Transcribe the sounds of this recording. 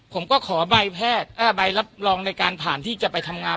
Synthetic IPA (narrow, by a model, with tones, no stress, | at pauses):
pʰo˩˦mkɔː˥˩kʰɔː˩˦ba˧jpʰɛː˥˩t̪̚ʔaː˧˩ba˧jla˦˥p̚ɾɔː˧ŋna˧jkaː˧npʰaː˨˩nt̪ʰiː˥˩t͡ɕa˨˩pa˧jt̪ʰa˧mŋaː˧